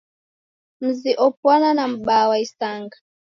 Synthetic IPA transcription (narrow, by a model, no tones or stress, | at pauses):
m̩ziʔɔpwananam̩ɓawaisaŋɡa